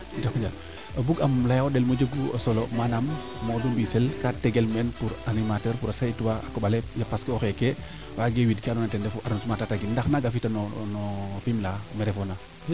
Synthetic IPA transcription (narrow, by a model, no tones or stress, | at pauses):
d͡ʒokɲd͡ʒal | abuɡamlajaoɗelmod͡ʒəɡuosolomanamː | odumbiselkateɡelmɛnpuɾanimatəɾpuɾasaituwaakoɓalejapaskioxeke | waɡewidkianɔnatɛndɛfuʔaɾnsumatataɡinndaxnaɡafitanonɔfimlamɛɾɛfona